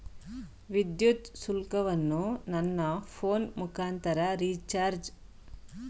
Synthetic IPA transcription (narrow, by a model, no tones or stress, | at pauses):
ʋid̪jut̪sulkɐʋɐnːunɐnːɐpʰoːnmukʰaːnt̪ɐɾɐɾit͡ʃaːɾd͡ʒ